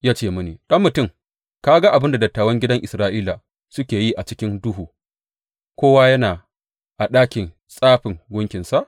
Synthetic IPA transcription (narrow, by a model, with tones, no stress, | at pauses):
jaː˦t͡ʃeː˦˨mʊ˦neː˨ɗɐ˦mːʊ˨tʊ˦˨ŋ | kaː˦ɡa˦ʔa˨bɪ˦nda˨dɐ˨tːaː˨wɐ˦ŋɡʲɪ˦dɐ˦ŋʔɪ˨sɾaː˦ʔiː˦la˨ | sʊ˦kʲeː˨ji˦ʔa˨t͡ʃɪ˦kʲɪ˦ndʊ˦ɦuː˨ | kʷoː˦waː˦jɐ˦naː˨ | ʔa˨ɗaː˦kʲɪ˨n | sʼaː˦ɸɪ˨ŋɡʷʊ˦ŋkʲɪ˨nsa˦˨ʔ